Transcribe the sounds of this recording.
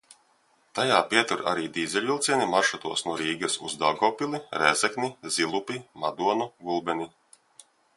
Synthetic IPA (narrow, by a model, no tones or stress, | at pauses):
t̪ajaːpiɛt̪uɾa̰ɾiːd̪iːzɛlʲvilˠt̪siɛnimaɾʃat̪uɔsnuɔɾiːɡɐsṵzd̪aɡɔːpʲilˠiɾɛːzɛknizilˠupʲimad̪uɔnuɡulˠbɛni